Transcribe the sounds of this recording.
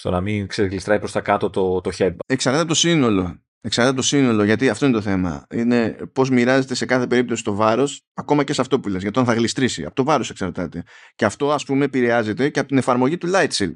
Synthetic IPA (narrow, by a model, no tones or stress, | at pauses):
st̪o̞̰nɐmiŋkseɣlist̪ɾɐjpɾost̪ɐkɐt̪o̞t̪ot̪oçebe̞ksɐɾt̪ɐt̪epot̪osino̞lo̞ | eksɐɾt̪ɐt̪ept̪o̞sino̞lo̞ʝɐt̪iɐft̪o̞inet̪θe̞mɐ̰ine̞po̞zmiɾɐze̞t̪e̞se̞kɐθe̞pe̞ɾip̚t̪o̞si̥st̪o̞vɐɾo̞s | ɐko̞mɐce̞sɐft̪o̞pule̞zʝɐt̪oɐnθɐɣlist̪ɾisḭɐ̰po̞t̪ovɐɾo̞se̞ksɐɾt̪ɐt̪e̞ceɐft̪o̞ɐspume̞piɾeɐze̞t̪e̞ceɐpot̪ine̞fɐɾmo̞ʝit̪ulɐjt̪sel